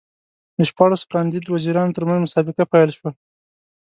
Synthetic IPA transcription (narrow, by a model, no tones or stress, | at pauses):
d̪əʃpɑɽaskɑnd̪id̪waziɾɑnot̪əɾmanzmʊsɑbɪqapajlʃwa